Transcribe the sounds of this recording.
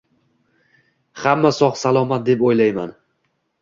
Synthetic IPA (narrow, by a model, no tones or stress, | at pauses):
hamːasɒχsalˠɒmat̪̚d̪e̞pojlajman